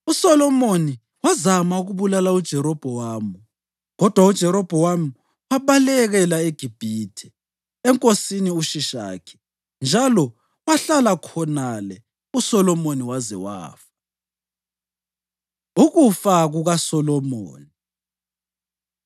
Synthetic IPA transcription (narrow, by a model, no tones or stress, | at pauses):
usɔlɔmoni | wazamauɣuβulalaud̥ʒ̥ʱɛɾɔb̥ʱɔwaːmu | ɣɔd̥ʱwaud̥ʒ̥ʱɛɾɔb̥ʱɔwamu | waβalɛɣɛlaeɡ̥ʱib̥ʱitʰɛ̥ | ɛŋkʼosiniuʃiʃa̰ːkʰɛ̥ | nd͡ʒʱalɔ | waɬalakʰɔnalɛ | usɔlɔmoniwazɛ̰wa̰ːfḁ | uɣufaɣuɣasɔlɔmo̰ːni